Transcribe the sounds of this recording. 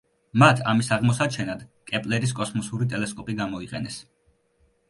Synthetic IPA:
mat̪ʰamisaʁmɔsat͡ʃʰɛnad̪kʼɛpʼlɛɾis̬kʼɔsmɔsuɾit̪ʼɛlɛskʼɔpʼiɡamɔiqʼɛnɛs

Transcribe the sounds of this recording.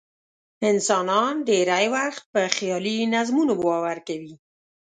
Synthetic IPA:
ɪnsɑnɑnɖ̪eɾajwaxt̪̚pəxjɑlinazmunobwawaɾkawi

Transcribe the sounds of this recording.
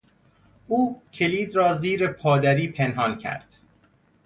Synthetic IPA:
ʔuːcʰe̞liːd̪ɾɒːziːɾe̞pʰɒːd̪æɾiːpʰenɦɒːncʰæ̰ɾd̪̥

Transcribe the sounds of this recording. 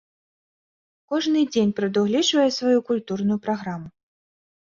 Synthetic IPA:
kɔʐnɨd͡zʲenʲpɾɐd̪uɣlʲit͡ʂvɐjɛsvajukulʲt̪urnʊjʊpɾaɣɾamu

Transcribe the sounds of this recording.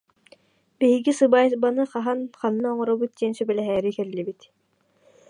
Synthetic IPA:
biɦiɡisɯbaːjsbanɯχaɦanχanːaɔɴɔɾɔbut̪̚d̪iɛnsybɛlɛɦɛːɾikɛllibit̪

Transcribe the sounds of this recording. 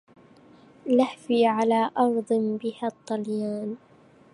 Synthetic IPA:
lahfiːʕalaːʔɑɾˤd̪ˤbɪhat̪ˤːɑljaːn

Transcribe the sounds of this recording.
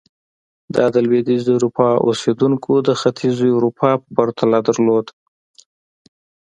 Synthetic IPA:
d̪ɑd̪əlwed̪izəɾupʰɑʔo̰sed̪uŋkʰod̪əxat̪ʰizoɾupʰɑpəbaɾt̪ʰalad̪əɾlod̪

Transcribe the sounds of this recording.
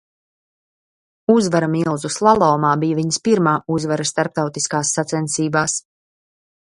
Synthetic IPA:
uzvaɾamilˠzuslˠalˠɔːmaːbijviɲspiɾmaːuzvaɾast̪aɾp̚t̪awt̪iskaːsːat̪sɛnsiːbaːs

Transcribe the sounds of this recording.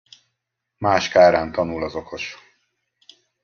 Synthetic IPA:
maːʃkaːɾaːnt̪ɒnulɒzo̞kʰo̞ʃ

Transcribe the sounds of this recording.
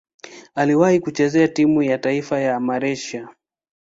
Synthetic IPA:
aliwahikut͡ʃɛzɛatimujataifajamaɾɛʃa

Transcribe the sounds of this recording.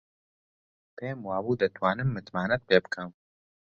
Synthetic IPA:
pʰeːmwaːbuːd̪ɨt̪ʰwaːnɨmːɨt̪maːnɛt̪̚peːbɨkʰɐm

